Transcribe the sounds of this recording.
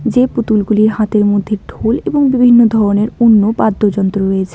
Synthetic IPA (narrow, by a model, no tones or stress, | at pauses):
d͡ʑeput̪ulɡuliɾɦat̪eɾmod̪ʱːeɾʈʰoleboŋbibʱinːod̪ʱɔɾoneɾonːopad̪ʱːod͡ʑɔnt̪ɾoɾojet͡ɕʰe